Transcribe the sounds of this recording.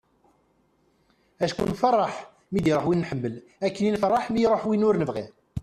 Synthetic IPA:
æʃkṵnfərˤːɑħ | mid̪iɾoħwinːħəmːəl | ækːəninfərˤːɑħmijɾˤoħwinʊɾnəvʁḭʁ

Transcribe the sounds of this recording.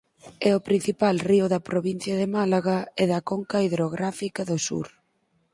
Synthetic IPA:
ɛʊpɾin̟θipalriʊðɐpɾoβin̟θjɐðɪmalaɣɐɛðɐkɔŋkaiðɾoɣɾafikɐðʊsṵɾ

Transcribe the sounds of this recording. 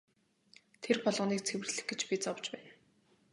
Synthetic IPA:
t̪ʰerpɔɮʁɞːniːk̚t͡sʰewɘ̆rɮɘ̆x̚ɡet͡ɕpit͡sɔwt͡ɕpæːn

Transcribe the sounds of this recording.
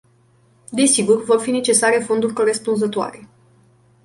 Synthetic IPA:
d̪e̞siɡurvo̞rfine̞t͡ʃe̞saɾe̞fo̞nd̪urʲko̞ɾe̞spunzət̪oa̰ɾe̞

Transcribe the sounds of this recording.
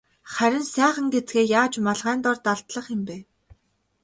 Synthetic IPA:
χæɾʲɪ̆nsæːχə̆ŋɡet͡sɡeːjaːt͡ɕmaɮʁæːnt̪ɔrt̪aɮt̪ɮə̆χɪ̆mpeː

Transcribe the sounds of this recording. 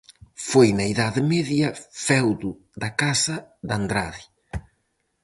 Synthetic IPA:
fojnaiðaðɪmɛðjɐfɛwd̪u | ðɐkasɐðand̪ɾaði

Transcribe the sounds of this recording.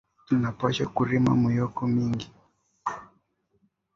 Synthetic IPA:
tunapaʃakuɾima̰mujɔkɔmiŋɡi

